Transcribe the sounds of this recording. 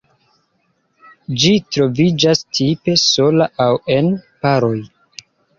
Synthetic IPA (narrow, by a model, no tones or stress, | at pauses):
d͡ʒitɾo̞vid͡ʒastʰipe̞so̞laʔawe̞npaɾo̞j